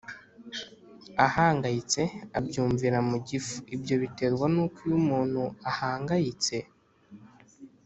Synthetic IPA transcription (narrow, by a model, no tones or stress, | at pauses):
ahaːŋɡajit͡se̞abɟuːɱviɾamuɟifuibjo̞βite̞ɾɡwanukujumuːn̥huahaːŋɡajit͡se̞